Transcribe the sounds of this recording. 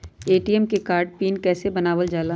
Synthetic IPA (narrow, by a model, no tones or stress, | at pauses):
eːʈiɛmkekaːɾɖ̚piːnkɛːsebɐnaːʋəld͡ʒaːla